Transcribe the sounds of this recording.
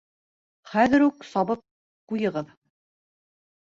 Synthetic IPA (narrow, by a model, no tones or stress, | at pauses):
χæðɘ̆ɾuksɑβɤp̚ | qujɤ̆ʁɤð